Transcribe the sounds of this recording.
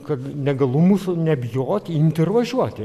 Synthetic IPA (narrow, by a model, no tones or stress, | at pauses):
kɐt̪nʲɛɡɐlˠʊmuːsʊnʲɛbʲjoːt̪ʲɪnʲt̪ʲɛrʋɐʒʲuɔt̪ʲɪ